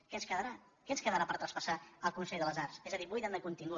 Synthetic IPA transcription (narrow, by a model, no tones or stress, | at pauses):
kɛənskəðəɾa | kɛənskəðəɾapəɾt̪ɾəspəsaəlˠkunsɛʎðələzarsezəðiβujðɛnd̪əkunt̪iŋɡu